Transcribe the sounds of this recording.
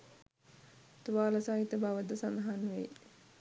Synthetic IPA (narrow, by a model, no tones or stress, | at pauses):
t̪uʋaːlasaːɦit̪əbaʋəd̪əsand̪ɐɦanʋej